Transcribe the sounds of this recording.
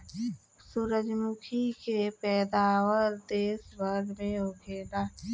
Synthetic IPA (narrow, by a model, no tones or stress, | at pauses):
suɾəd͡ʒmʊkʰikepɛːd̪aːwəɾd̪eːsbʱəɾɖmẽoːɡeːnaː